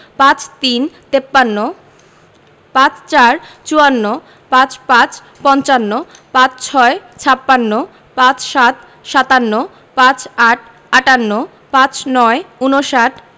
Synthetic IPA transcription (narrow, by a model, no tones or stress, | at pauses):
pãt͡ɕt̪int̪epːanːo | pãt͡ɕt͡ɕaɾt͡ɕuanːo | pãt͡ɕpãt͡ɕ | pɔnt͡ɕanːopãt͡ɕt͡ɕʰɔet͡ɕʰapːanːo | pãt͡ɕʃat̪̚ | ʃat̪anːo | pãt͡ɕaʈʰ | aʈanːo | pãt͡ɕnɔeunoʃaʈʰ